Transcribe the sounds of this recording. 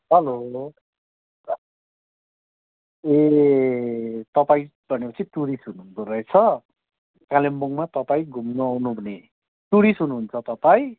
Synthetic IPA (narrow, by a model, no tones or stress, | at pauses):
ɦʌloɦʌo | e | t̪ʌpaĩbʱʌnepʌt͡sʰit̪uɾisɦunuund̪oɾʌet͡sʰʌ | kalemboŋmat̪ʌpaĩɡʱumnuawnubʱune | t̪uɾisɦunuɦːnt͡sʰʌt̪ʌpaĩ